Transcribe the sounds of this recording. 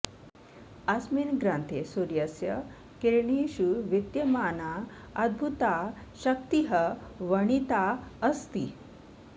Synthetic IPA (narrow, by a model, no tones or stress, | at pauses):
asminɡɾant̪ʰesuɾjəsjə | keɾɳiɕuʋit̪jəmaːna | ɐd̪̚bʱut̪aɕək̚t̪iɦəʋəɳit̪aəst̪ḭ